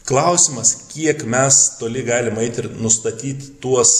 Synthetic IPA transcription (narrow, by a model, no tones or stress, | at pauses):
klˠɐʊsʲɪmɐskʲiɛkmʲɛst̪oːlʲɪɡɑːlʲɪmɛɪt̪ʲɪɾnʊst̪ɐt̪ʲiːt̪ʲt̪uɔs